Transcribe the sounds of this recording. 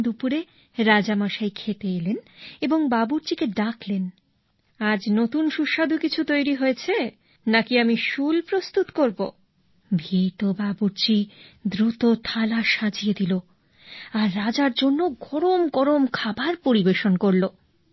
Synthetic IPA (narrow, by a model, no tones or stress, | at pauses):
d̪upuɾe | ɾad͡ʑamaʃajkʰet̪eeleneboŋbabuɾt͡ɕikeɖakʰlen | ad͡ʑnot̪unʃuʃad̪ʱukit͡ɕʰut̪ojɾiɦoet͡ɕʰe | nakiamiʃulpɾost̪ut̪koɾbo̰ | bʱit̪obabuɾt͡ɕid̪ɾut̪ot̪ʰalaʃad͡ʑijed̪ilo | aɾːad͡ʑaɾd͡ʑonːoɡɔɾomɡɔɾomkʰabaɾpoɾibeʃonkoɾlo